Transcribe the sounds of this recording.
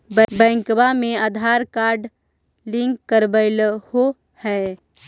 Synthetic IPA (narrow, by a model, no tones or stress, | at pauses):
bbɛ̃ŋkbamẽad̪ʱaɾkaɾɖ | lĩŋkːəɾbəɪlho | hɛ